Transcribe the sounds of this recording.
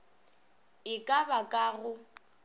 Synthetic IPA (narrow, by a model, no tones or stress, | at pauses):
ɪkʼabakʼaːɣʊ